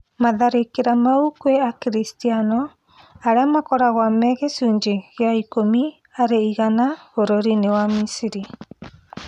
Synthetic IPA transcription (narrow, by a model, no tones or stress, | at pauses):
maðaɾekeɾamaukweakeɾistianɔ | aɾeamakɔɾaɣwamɛɣesuːɲd͡ʒeɣeaikomi | aɾeiɣanahoɾoɾinewamisiɾi